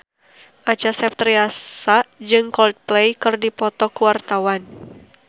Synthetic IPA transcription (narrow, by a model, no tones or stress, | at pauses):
ʔat͡ʃasɛp̚t̪ɾiasad͡ʒɨŋkɔlt̪̚plɛjkɨrdipɔt̪ɔkuwart̪awan